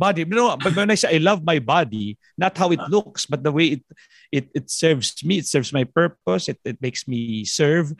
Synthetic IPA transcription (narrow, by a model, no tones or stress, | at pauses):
bad̪iwnobɐwɛ̃najsaʔajlʌvmajbad̪i | nɐt̪hawɪt̪lʊksbɐt̪̚d̪ɐwejɪt̪̚ | ʔɪt̪̚ɪt̪sɛɹvsmiɪt̪sɛɹvsmajpɛɹp̚ɔsɪt̪̚ɪt̪̚mejksmisɛɹv